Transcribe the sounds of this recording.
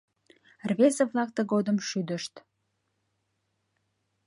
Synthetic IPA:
rβezeβlɑk̚t̪əɣod̪əmʃyd̪əʃt̪

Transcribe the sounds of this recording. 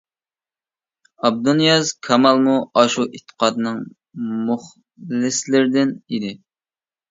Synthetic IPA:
ɑb̚d̪unjɑzkʰɑmɑlˠmuɑʃuʔet̪ʰːə̥qʰɑd̪ɨnɨŋ | muχ | lɪslɪɾd̪ɪnid̪ɪ

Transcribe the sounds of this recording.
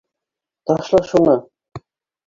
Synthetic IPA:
t̪ɑʃlˠɑʃunɤ

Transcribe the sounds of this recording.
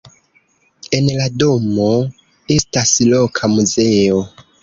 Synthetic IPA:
enladomo | e̞stasilokʰamuzeo

